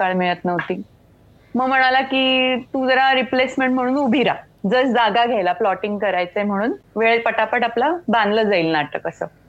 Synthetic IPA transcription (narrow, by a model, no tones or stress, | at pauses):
kaɭmeɭət̪nəʋt̪iː | məɡm̤əɽ̃alakiːt̪ũd͡zəɾaɾiplesmeɳʈm̤əɽ̃uːnubʱiɾa | d͡zəːsd͡zaɡaɡʱajlaplɔʈiŋɡkəɾajt͡səjm̤əɽ̃uːnʋeɭpəʈapəʈaplabãnd̪ləːd͡zaiːlnat̪əːkəsəː